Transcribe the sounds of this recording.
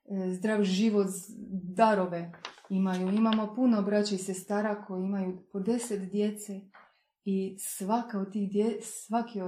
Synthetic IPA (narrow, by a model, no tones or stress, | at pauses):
zd̪ɾaːʋʒiʋot̪d̪aɾoʋeimajuimamo̞punobɾat͡ɕaisest̪aːɾakʰo̞jeimajupod̪e̞set̪d̪je̞t̪se | isʋakaod̪̚t̪iːxd̪esʋakio